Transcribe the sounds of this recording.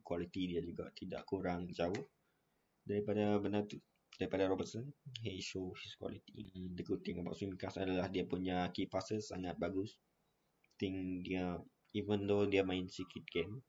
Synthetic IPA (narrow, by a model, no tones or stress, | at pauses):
kwalit̪idiad͡ʒuɡa̰ʔt̪ida̰ʔkuɾaŋd͡ʒaʊh | daɾipadabənart̪u | daɾipadaɾɔbət̪sənɦeʃofiskwa̰lit̪idəkut̪iŋɔba̰ʔsimikasa̰dalahdiapuɲakipasəsa̰ŋat̪̚baɡʊs | t̪ɪŋdiə | ivənd̪odiəmãinsikit̪̚ɡɛm